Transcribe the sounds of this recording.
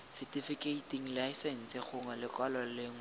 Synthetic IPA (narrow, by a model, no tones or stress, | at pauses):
sɛtifikʼeitiŋ̩laɪsɛn̩sɪχʊŋalɪkʼɔlɔlɪːŋ